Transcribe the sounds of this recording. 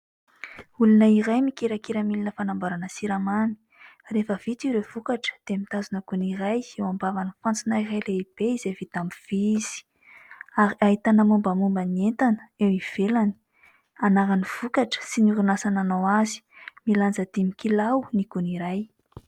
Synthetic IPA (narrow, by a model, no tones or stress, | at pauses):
ulunaiɾajmikeɾakiɾamilinəfanambaɾanəsiɾamani̥ | refəv̥it̪iɾewv̥ukaʈ͡ʂə̥d̪̥emit̪azunəɡuniɾajewambavanifant͡sunaiɾajleib̥eizevit̪ambv̥iz̥i̥ | aɾiaɦit̪anamumbəmumbənient̪anə̥ewiv̥elani̥ | anaɾaniv̥ukaʈ͡ʂə̥sinuɾunasananawazi̥miland͡zəd̪imikilawniɡuniɾaj